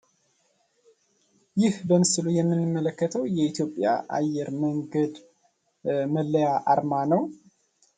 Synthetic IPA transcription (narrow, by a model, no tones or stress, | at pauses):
jɪhbəmɨsɨlujɛmːɨnːɨmːələkːət̪ʰəwjɛit̪ʰjo̞pʼja̰ʔa̰jːɛɾməŋɡəd̪ | məlːəjaʔaɾmanəw